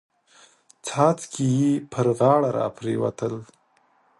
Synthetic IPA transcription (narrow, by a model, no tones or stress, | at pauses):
t͡sʰɑt͡skʰijipʰəɾɣɑɽaɾɑ̰pɾewa̰t̪əl